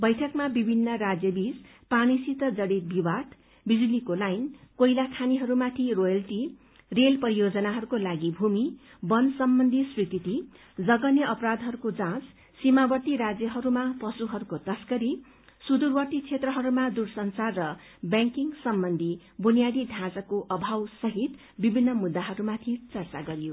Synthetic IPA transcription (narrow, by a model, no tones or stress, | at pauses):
bʌjʈʰʌkmabibʱinːʌrad͡zjʌbid͡z | panisit̪ʌd͡zʌɽit̪̚biwad̪ | bid͡zulikolajnkojlakʰaniɦʌɾumat̪ʰirojʌlʈi | relpʌɾijod͡zʌnaɦʌɾukolaɡibʱumi | bʌnsʌmbʌnd̪ʱiswikit̪i | d͡zʌɡʌnjʌʔʌpɾad̪ʱɦʌɾukod͡zãt͡s | simabʌʈ̪iɾad͡zjʌɦʌɾumapʌsuɦʌɾukot̪ʌskʌɾi | sud̪urwʌʈ̪it͡sʰet̪rʌɦʌɾumad̪ursʌnt͡sarːʌ | bjãŋkiŋsʌmbʌnd̪ʱi | bunijaɽid̪ʱãd͡zʌkoʔʌbʱawsʌɦit̪ | bibʱinːʌmud̪ːaɦʌɾumat̪ʰit͡sʌrt͡saɡʌɾijo